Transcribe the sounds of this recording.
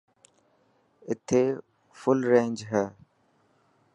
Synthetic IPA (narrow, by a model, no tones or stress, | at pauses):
ɪt̪ʰeː | fʊlɾẽːnd͡ʒɦɛː